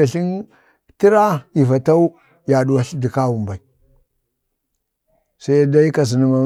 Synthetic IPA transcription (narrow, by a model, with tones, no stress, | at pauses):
a˨ɬi˦n | ti˦ɾa˦i˨va˨ta˦u˦ | ja˨ɗu˨wa˨ɬi˦di˨ka˦wu˨mba˨i˨ | sa˦ja˦da˦i˦ka˨z̬i˨ni˦ma˨